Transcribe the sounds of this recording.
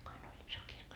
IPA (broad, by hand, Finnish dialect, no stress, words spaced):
kuin olʲ iso kirkːo